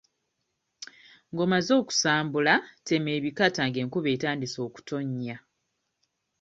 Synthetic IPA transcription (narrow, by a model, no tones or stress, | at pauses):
ŋɡo̞mazo̞ːku̥saːmbulate̞me̞ːβikataŋɡe̞ːŋkuβe̞ːtaːndiso̞ːku̥tʰo̞ɲːa